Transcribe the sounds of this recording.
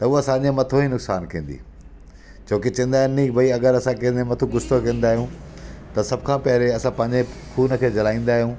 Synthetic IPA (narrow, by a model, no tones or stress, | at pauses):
t̪ɐʊɐsãɲd͡ʑemɐt̪ʰoinʊksaːnkĩːn̆d̪ḭ | t͡ɕʰoːkit͡ɕɐ̃nd̪aːɦunniːbɐiɐɡəɾɐsãkĩẽnmɐt̪ʰũɡʊst̪okɐ̃ːnd̪aːɦijũt̪ɐsɐbkʰãːpɐɾeɐsãpɐ̃ɦɪɲd͡ʑe | kʰuːnəkʰeːd͡ʑɐlaːĩːn̆d̪aːɦijũː